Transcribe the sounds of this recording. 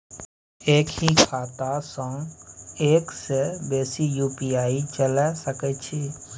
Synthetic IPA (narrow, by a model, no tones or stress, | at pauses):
eːkhikʰaːt̪asə̃ŋɡeːksebeːsijuːpiaːit͡ʃəlesəkɛt͡ʃʰi